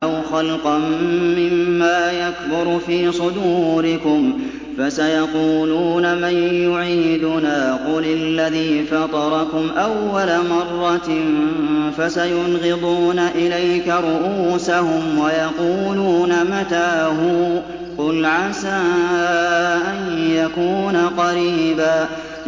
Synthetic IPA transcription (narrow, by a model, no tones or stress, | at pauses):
ʔawxɑlqɑmːɪmːaːjakbʊɾfiːsˤʊd̪uːɾɪkʊm | fasajɑquːluːnamanjʊʕiːd̪ʊnaːqʊlɪlːaðiːfɑt̪ˤɑɾˤɑkʊmʔawːalamɑrˤːɑt̪nfasajʊnɣɪd̪ˤuːnaʔɪlajkaɾˤʊʔuːsahʊmwajɑquːluːnamat̪aːɦʊ | qʊlʕasaː | ʔanjakuːnaqɑɾiːbaː